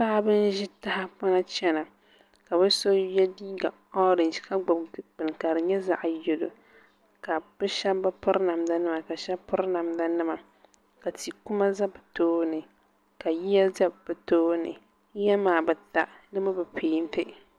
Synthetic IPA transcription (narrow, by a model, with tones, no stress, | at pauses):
paː˦bɨ˦n˦ʒi˦ta˦ha˦pɔ˦na˦t͡ʃɛ˦na˨ | ka˨bɨ˦so˦jɛ˦diː˦ɡa˨ | ɔ˦ɾɪ˨nd͡ʒi˨ka˦ɡ͡ba˨ɡ͡bɨ˨ŋ˨ka˨ɾɨ˨ɲɛ˦za˦ʔjɛ˨do˨ | ka˨bɨ˦ʃa˦bba˦pɨ˦ɾna˨mda˦nɨ˦ma˨ka˨ʃɛ˦pɨ˦ɾna˨mda˦nɨ˦ma˨ | ka˨ti˨ku˦ma˦za˦bɨ˨toː˦nɨ˨ | ka˨ji˦ja˦za˦bbɨ˨toː˦nɨ̰˨˦ | jɛ˦maː˨bɨ˨ta˦˨nɨ˦ma˦bɨ˨pʰeː˦n˦tɨ˦